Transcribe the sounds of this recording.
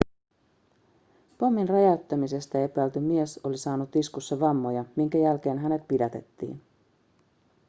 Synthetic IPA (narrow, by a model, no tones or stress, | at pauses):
pomːinrɑjɑt̪ːæmise̞st̪æe̞pæːlt̪ymieso̞lisɑːnut̪iskusːeʋɑmːo̞jɑmiŋkæjælk̟e̞ːnɦæne̞t̪̚pidæt̪e̞̰t̪ːḭːn